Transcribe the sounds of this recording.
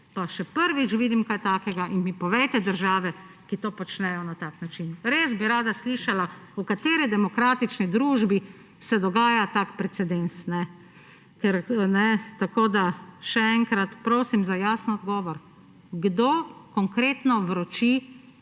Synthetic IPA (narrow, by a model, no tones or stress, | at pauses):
paʃɛpəɾʋit͡ʃʋiːd̪imkajt̪aːkɛɡaʔinmipɔʋɛjt̪ɛd̪əɾʒaːʋɛ | kit̪oːpɔt͡ʃnɛjɔnat̪aːknat͡ʃinɾeːzbiɾaːd̪asliʃalaukat̪eːɾid̪ɛmɔkɾaːt̪it͡ʃnid̪ɾuːʒbi | sɛd̪ɔɡaːjat̪akpɾɛt̪sɛd̪ensnɛ | kɛɾnɛt̪akoːd̪aʃɛɛŋkɾat̪pɾoːsimzajaːsnɔd̪ɡɔːʋɔɾ | ɡd̪okɔŋkɾeːt̪nɔʋɾɔt͡ʃi